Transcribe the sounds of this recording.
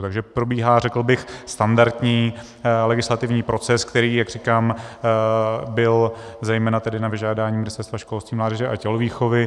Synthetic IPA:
t̪aɡʒɛpɾo̞biːɦaːrɛkl̩bɪxst̪andaɾt̪ɲiː | lɛɡɪslat̪ɪvɲiːpɾo̞t͡sɛskt̪ɛɾiːjaɡr̝iːkaːm | bɪlzɛjmɛːnat̪ɛdɪnavɪʒaːdaːɲiːmɪnɪst̪ɛɾst̪vaʃkolst̪viːmlaːdɛʒɛʔacɛloviːxovɪ

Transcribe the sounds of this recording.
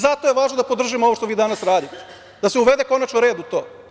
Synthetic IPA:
zat̪ojeʋaːʒnod̪apo̞d̪r̩ʒimooʋoʃt̪oʋiːd̪anasɾaːd̪it̪ɛ | d̪aseuʋed̪eko̞nat͡ʃnoɾe̞ːd̪ut̪o̞ː

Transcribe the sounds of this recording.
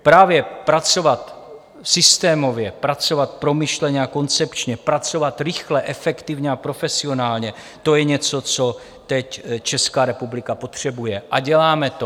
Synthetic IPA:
pɾaːvjɛpɾat͡so̞vat̪ | sɪst̪ɛːmo̞vjɛpɾat͡so̞vat̪̚pɾo̞miʃlɛɲɛako̞nt͡sɛpt͡ʃɲɛpɾat͡so̞vat̪ɾɪxlɛʔɛfɛkt̪ɪvɲɛapɾo̞fɛsɪo̞naːlɲɛ | t̪o̞jɛɲɛt͡so̞t͡so̞ | t̪ɛct͡ʃɛskaːɾɛpublɪkapo̞t̪r̝̥ɛbujɛʔaɟɛlaːmɛt̪o

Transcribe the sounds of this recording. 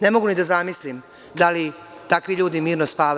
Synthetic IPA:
ne̞mo̞ɡunid̪azamislim | d̪ali | t̪akʋiʎuːd̪imiːɾnospaːʋ

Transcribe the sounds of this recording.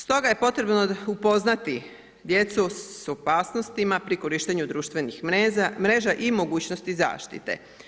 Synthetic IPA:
st̪o̞ɡaje̞po̞t̪ɾe̞bnoupo̞znat̪i | d̪je̞t̪suso̞paːsno̞st̪imapɾiko̞ɾiːʃt̪eɲud̪ɾuːʃt̪ʋe̞nixmɾe̞ːʒaʔimo̞ɡuːt͡ɕnost̪iza̰ːʃt̪ḭt̪e̞̰

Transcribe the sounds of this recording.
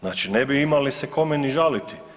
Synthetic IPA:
naːt͡ʃinebiimaliseko̞meniʒalit̪i̥

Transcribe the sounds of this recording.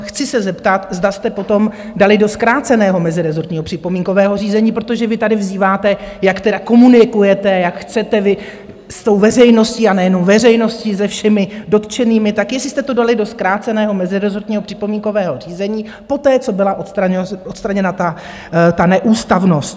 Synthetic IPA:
xt͡sɪsɛzɛpt̪at̪zdast̪ɛpot̪o̞mdalɪdo̞skɾaːt͡sɛnɛːɦo̞mɛzɪɾɛzoɾt̪ɲiːɦo̞pr̥ɪpo̞miːŋko̞vɛːɦo̞riːzɛɲiːpɾot̪o̞ʒɛvɪt̪adɪvziːvaːt̪ɛjakt̪ɛdako̞munɪkujɛt̪ɛjakxt͡sɛt̪ɛvɪ | st̪o̞wvɛrɛjno̞sciːanɛjɛno̞mvɛrɛjno̞scizɛfʃɛmɪdo̞t̪t͡ʃɛniːmɪt̪akjɛslɪst̪ɛt̪o̞dalɪdo̞skɾaːt͡sɛnɛːɦo̞mɛzɪɾɛzoɾt̪ɲiːɦo̞pr̥ɪpomiːŋko̞vɛːɦo̞riːzɛɲiː | po̞t̪ɛːt͡so̞bɪlaʔot̪st̪ɾaot̪st̪ɾaɲɛnat̪a | t̪anɛʔuːst̪avno̞st̪

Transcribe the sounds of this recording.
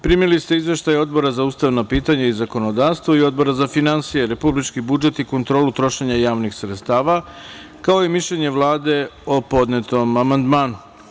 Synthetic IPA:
pɾimilist̪e̞izʋe̞ʃt̪ajo̞d̪̚bo̞ɾazauːst̪aʋnopiːt̪aɲaizako̞no̞d̪aːʋst̪vo̞io̞d̪̚bo̞ɾazafinansije̞ɾe̞publit͡ʃkibud͡ʒe̞t̪iko̞nt̪ɾo̞ːlut̪ɾo̞ʃe̞ɲajaːʋnixsɾet̪st̪aːʋa | kaoimiʃʎeɲe̞ʋlˠaːd̪e̞opo̞d̪net̪o̞mamand̪maːnu

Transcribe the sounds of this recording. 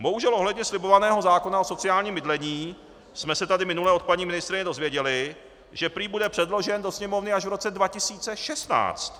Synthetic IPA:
bo̞ɦuʒɛlʔoɦlɛdɲɛslɪbo̞vanɛːɦo̞zaːko̞naoso̞t͡sɪjaːlɲiːmːɪdlɛɲiː | smɛsɛt̪adɪmɪnulɛo̞t̪̚paɲiːmɪnɪst̪ɾɪɲɛdo̞zvjɛɟɛlɪ | ʒɛpɾiːbudɛpr̝̥ɛdlo̞ʒɛndo̞sɲɛmo̞vnɪaʒvɾo̞t͡sɛdvacɪsiːt͡sɛʃɛst̪na̰ːt͡st̪

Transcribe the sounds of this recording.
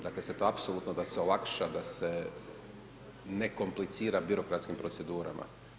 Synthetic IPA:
d̪akleset̪o̞apsolˠuːt̪nod̪aseolˠakʃad̪ase | neko̞mplit̪siːɾabiɾo̞kɾat̪skimpɾose̞d̪uːɾa̰mʔa̰

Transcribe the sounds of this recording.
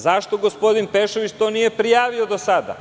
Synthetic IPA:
zaʃt̪o̞ɡo̞spo̞d̪inpeʃoʋit͡ɕt̪o̞nije̞pɾijaːʋio̞d̪osad̪a̰

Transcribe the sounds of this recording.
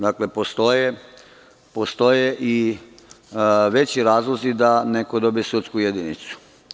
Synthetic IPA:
d̪aklepost̪o̞je | post̪o̞jeʔi | ʋe̞t͡ɕiɾaːzlˠozid̪ane̞kod̪o̞bijesut̪skujed̪init̪su̥

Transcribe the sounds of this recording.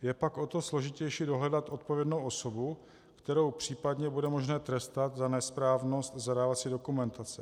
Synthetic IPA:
jɛpakʔo̞t̪o̞slo̞ʒɪcɛjʃido̞ɦlɛdat̪ʔo̞t̪̚povjɛdnowʔo̞so̞bu | kt̪ɛɾo̞wpr̝̥iːpadɲɛbudɛmo̞ʒnɛːt̪ɾɛst̪at̪zanɛspɾaːvno̞st̪zadaːvat̪t͡siːdokumɛnt̪at͡sɛ

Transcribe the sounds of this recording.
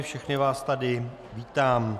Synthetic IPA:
fʃɛxnɪvaːst̪adɪ | viːt̪aːm

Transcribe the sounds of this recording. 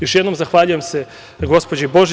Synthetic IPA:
jo̞ʃjed̪no̞mzaxʋaːʎuje̞mse̞ | ɡo̞spod͡ʑeibo̞ʒe

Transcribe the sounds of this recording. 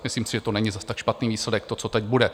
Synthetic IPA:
mɪsliːmsɪʒɛt̪onɛɲɪzast̪akʃpat̪niːviːslɛdɛk̚t̪o̞t͡so̞t̪ɛc̚budɛ

